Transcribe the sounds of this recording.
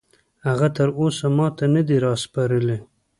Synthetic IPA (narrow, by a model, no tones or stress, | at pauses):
haɣat̪əɾosamɑt̪anəd̪iɾɑspaɾəle